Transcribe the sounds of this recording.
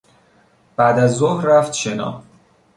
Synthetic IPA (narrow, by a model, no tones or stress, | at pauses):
b̥æːd̪æzːohɾːæft̪ʃenɒ̰ː